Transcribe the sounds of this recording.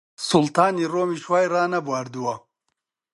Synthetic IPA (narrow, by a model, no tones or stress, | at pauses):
sult̪aːniroːmiʂwaːjraːnɐbwaːɾd̪uwɐ